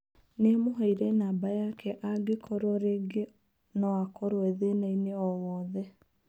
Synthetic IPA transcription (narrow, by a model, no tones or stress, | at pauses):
neamoɦaiɾɛnaːbajakʰɛʔaɡekʰɔɾɔɾeɡe | nɔwakɔɾwɛðenaineɔwɔːðɛ